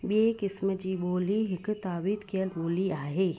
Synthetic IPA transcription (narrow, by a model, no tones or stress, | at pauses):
beːkɪsməd͡ʒiːboːliɦɪkt̪aːbit̪keəlboːliaːɦeː